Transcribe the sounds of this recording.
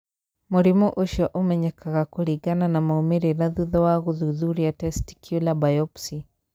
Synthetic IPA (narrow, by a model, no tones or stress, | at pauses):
muɾimuʔoʃɔʔomɛɲɛkaɣakuɾiɡananamaumiɾinaðuðɔwaɣuðuðuɾiatɛsti̥kʰjulabajɔpsi